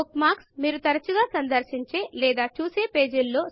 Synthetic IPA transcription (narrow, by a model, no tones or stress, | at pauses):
kmaːksmiːɾut̪ɐɾɐt͡ʃuɡaːsɐnd̪ɐɾʃiɲt͡ʃe̞ːlɛːd̪aːt͡ʃuːse̞ːpe̞ːd͡ʒulːo̞ː